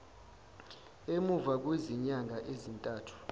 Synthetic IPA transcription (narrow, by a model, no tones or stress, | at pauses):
emuvak̬weziɲaŋʱaʔezintʼaːtʰu̥